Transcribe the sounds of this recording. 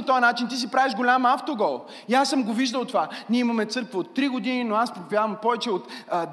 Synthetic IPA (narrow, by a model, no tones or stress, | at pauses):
ot̪ɔɐnat͡ʃint̪̬is̬ipɾaviʒɡolʲamaft̪oɡɔlˠ | iasːəmɡoviʒd̪əlˠt̪ovaniɛimɐmɛt̪sɤɾkvəot̪ːɾiɡod̪ininoaspɾovʲjavəmpɔvɛt͡ʃɛot̪